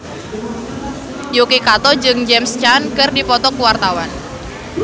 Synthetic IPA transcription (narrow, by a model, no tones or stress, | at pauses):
jokekat̪ɔd͡ʒɨŋd͡ʒɛmst͡ʃankɨrdipɔt̪ɔkuwart̪awan